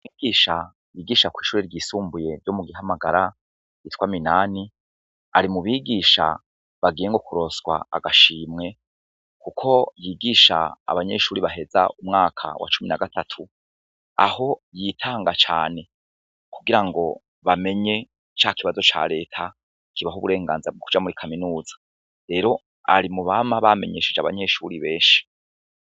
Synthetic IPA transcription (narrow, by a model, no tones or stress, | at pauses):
iːɡiːʃa | jiːɡiːʃakwiːʃuːɾeɾɟiːsuːmbuje̞ɾjo̞muɡiɦamaɡaɾa | itkwaːminaːni | aɾimuβiːɡiːʃa̰ | βaɡiːjeŋɡo̞kuɾo̞sɡwa̰a̰ɡaʃiːmŋe̞ | kukʰo̞jiːɡiːʃa̰ːβaɲe̞̰ʃuːɾiβaɦe̞za̰umŋaːkʰa̰wa̰t͡ʃuminaɡatʰatʰu | a̰ho̞jitʰaːŋɡat͡ʃa̰ːne̞ | kuɡiɾaŋɡo̞ | βame̞ɲe̞ | t͡ʃaːkiβazo̞t͡ʃa̰ɾe̞ːtʰa | kiβaɦuβuɾe̞ːŋɡaːnzabɡokud͡ʒamuɾikʰaminuːzḁ | ɾe̞ːɾo̞ | a̰ɾimuβamaβame̞̰ɲe̞ːʃed͡ʒaβaɲe̞ʃuːɾiβe̞ːnʃi̥